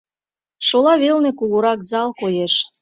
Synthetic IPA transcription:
ʃolɑβelnĕkuluɾɑkzɑlkojeʃ

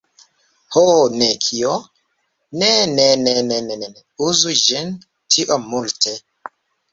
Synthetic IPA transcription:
honekʰio | nenenenenenen | uzud͡ʒin | tʰiʔomːultʰe

